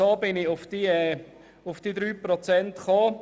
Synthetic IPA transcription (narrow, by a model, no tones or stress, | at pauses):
oːbɪnɪʊfd̥iːɛː | ʊfd̥iːd̪ɾyːpɾɔt͡sɛntχoː